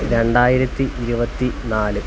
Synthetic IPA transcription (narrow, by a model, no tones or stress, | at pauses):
ɾe̞ɳɖaːjiɾɐt̪ːiʔːɾubɐt̪ːinaːlɨ